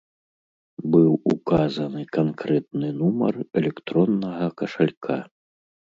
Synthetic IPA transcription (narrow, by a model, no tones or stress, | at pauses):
bɨwukazɐnɨkankɾɛt̪̚nɨnumɐ̰rɛlʲɛkt̪ɾɔnːɐɣɐkɐʂalʲkʰa